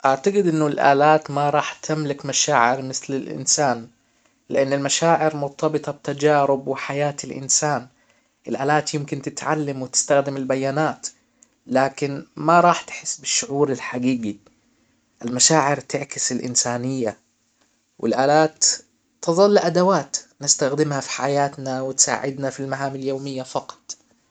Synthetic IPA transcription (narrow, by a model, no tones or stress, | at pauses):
ʔaʕt̪aɡɪd̪ʔɪnːʊlʔa̰ːlaːt̪maɾˤɑːħt̪ʰamlɪkmaʃaːʕɪɾmɪθlɪlʔɪ̰nsaːn | lɪʔanːɪlmaʃaːʕɪɾmʊɾt̪ˤʰɑbɨt̪ˤɑb̚t̪ːad͡ʒaːɾɪbwɪħajaːt̪ɪlʔɪ̰nsaːn | ʔɪlʔaːlaːt̪jɪmkɪnt̪ɪt̪ʕa̰lːamwɪt̪ɪ̥st̪axd̪ɪmɪlbajːaːnaːt̪ | laːkɪnmaɾˤɑːħt̪ħɪsːbɪʃːʊʕuːɾɪlħaɡiːɡi | ʔɪlmaʃaːʕɪɾt̪ɪʕkɪsɪlʔɪ̰nsaːnɪjːa | wʔɪ̰lʔaːlaːt̪ː | ɨðˤɑlːɪʔad̪awaːt̪nɪst̪axd̪ɪmhafi̥ħajaːt̪nawɪt̪sa̰ːʕɪd̪nafilmaɦaːmɪljoːmɪjːafɑqɑ̥t̪ˤ